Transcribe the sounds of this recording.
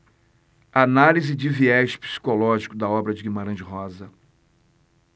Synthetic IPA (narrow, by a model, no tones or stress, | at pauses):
analizɪd͡ʒɪviɛʃpi̥si̥kolɔʒikʊd̪ɐɔbɾɐd͡ʒɪɡimaɾɐ̃d͡ʒɪɦɔzɐ